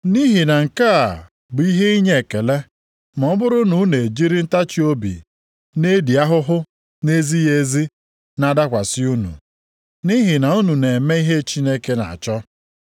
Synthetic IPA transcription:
ni˦ɦi˨na˨ŋ̩˨ka˦a̰˨ | bʊ˨i˦ɦe˦i˦ɲe˦˨e˨ke˨le˦ | m˨ɔ˨˦ɔ˦bʊ˦ɾʊ˦nu˨˦ne˨d͡ʒi˦ɾi˦n̩˦ta˦t͡ʃi˦o˦bḭ˨ | ne˦di˨a˦ɦʊ˦ɦʊ˦ | ne˦zi˦je˦zi˦ | na˦da˦kʷa˨sɪ˦u˦nṵ˨ | ni˦ɦi˨na˨u˦nu˨ne˨me˦i˦ɦe˦t͡ʃi˦ne˦ke˦na̰˨t͡ʃɔ˦

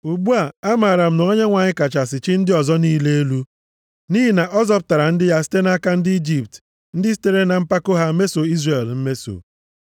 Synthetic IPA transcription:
u˨ɡ͡bu˦a˨a˦ma˨ɾa˨m̩˨no˨o˦ɲe˦ŋʷa˨ɲɪ˦ka˨t͡ʃa˨sɪ˨t͡ʃɪ˦n̩˦dɪ˦ɔ˨zɔ˦niː˦le˦e˦lu˦ | ni˦ɦi˨na˨ʔɔ˦zɔ˦p̬ʊ̥˦ta˨ɾa˨n̩˦dɪ˦ja˦sɪ̥˦te˦na˦ka˦n̩˦dɪ˦i˦d͡ʒi˨pt | n̩˦dɪ˦s̬i̥˦te˦ɾe˦na˨m̩˦pa˦ko˦ɦa˦me˦so˨i˦zre˨lm̩˦me˦so̰˨

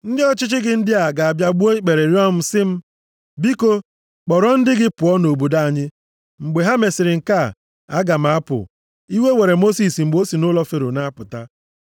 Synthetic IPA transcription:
n̩˦dɪ˦ɔ˦t͡ʃɪ˦t͡ʃɪ˦ɡɪ˨n̩˦dɪ˦a˨ɡa˨a˨bja˦ɡ͡bu˦o˦i˦k͡pe˨ɾe˨ɾjɔ˦m̩˦sɪ˦m̩˦ | bi˦ko˦ | k͡pɔ˨ɾɔ˦n̩˦dɪ˦ɡɪ˦pʊ˨ɔ˦no˨bu˨da˦a˨ɲɪ˦ | ŋ͡m̩˨ɡ͡be˨ɦa˦me˨sɪ˨ɾɪ˨ŋ̩˨ka˦˨ | a˦ɡa˨m̩˨a˦pʊ̰˨ | i˦we˦we˨ɾe˨mo˦si˨sŋ͡m̩˨ɡ͡bo˦si˨nʊ˦lɔ˦fe˨ɾʊ˨na˦pʊ˨ta˦

